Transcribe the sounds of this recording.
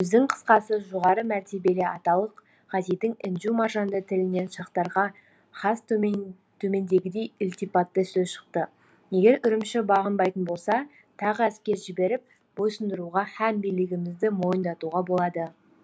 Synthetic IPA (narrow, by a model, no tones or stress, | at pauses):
wɵzd̪ɪŋqʰə̥sqɑsəʒo̞ʁɑɾəmæɾt̪e̞be̞lɪɑt̪ɑlˠəq | ʁɑzijt̪ɪŋɪnʒumɑʒɑnd̪ət̪ʰɪlɪne̞nʃɑqt̪ɑɾʁɑ | χɑst̪ | t̪ʰɵme̞nd̪e̞ɡʲɪd̪e̞jʊlʲt̪ijpɑt̪ːəsɵzʃə̥qt̪ə | je̞ɡʲe̞ɾʏɾɪmʃɪbɑʁənbɑjt̪ənbo̞lˠsɑ | t̪ʰɑʁæskʲe̞ɾʒɪbe̞ɾɪp̚ | b̥o̞jsənd̪əɾuʁɑhæmbijlɪɡʲɪmɪzd̪ɪmo̞jənd̪ɑt̪uʁɑbo̞lˠɑd̪ə